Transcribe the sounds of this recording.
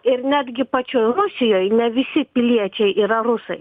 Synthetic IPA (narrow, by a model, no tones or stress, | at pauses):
ɪrnʲæːd̪ʲɡʲɪpɐt͡ʃʲojɾʊsʲɪjoːjnʲɛʋʲɪsʲɪpʲɪlʲiɛt͡ʃʲɛɪʔiːɾɐrʊsɐɪ